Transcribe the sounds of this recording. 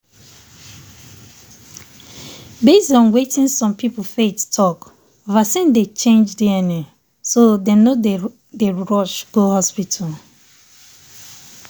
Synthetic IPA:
besdɔ̃nwetɪ̃nsɔ̃mpipofettʰɔk | vasɛ̃ndet͡ʃẽnd͡ʒdiɛnĩ | sodẽno | deɹɔʃɡ̥ohɔspitʰal

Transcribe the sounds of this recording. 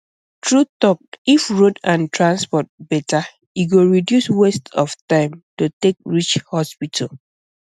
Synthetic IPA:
tɹutɔk̚ifɹodãntʰɹãnspɔt̚bɛta | iɡoɹidjuswestɔftãɪ̃mtotek̚ɹit͡ʃhɔspitʰa̰l

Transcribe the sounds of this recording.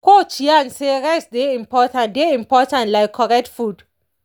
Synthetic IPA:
kot͡ʃianseɹɛsdeĩmpɔtãndeĩmpɔtãntlaɪkʰːɔɹɛk̚tfud

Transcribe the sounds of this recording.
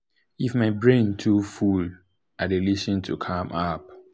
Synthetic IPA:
ifmaɪbɹẽntʰuful | adeliʃɔ̃ntʰukʰãmʔap̚

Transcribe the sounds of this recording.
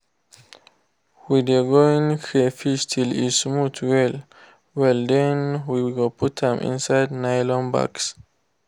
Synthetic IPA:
widəɡoĩŋkʰefiʃtʰilismutʰwɛl | wɛld̪ɛ̃nwiɡopʰutðɛ̃mʔḭ̃nsajdnajlɔ̃nba̰ks

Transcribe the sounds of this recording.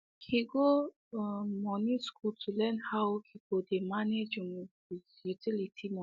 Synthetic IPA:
kʰiɡo | mɔniskultʰulɛnhawkʰikodemaned͡ʒĩŋwizjutʰilitʰimɔ

